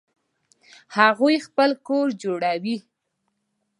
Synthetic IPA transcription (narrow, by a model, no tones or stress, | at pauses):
haɣujxpəlkoɾd͡ʒoɽawi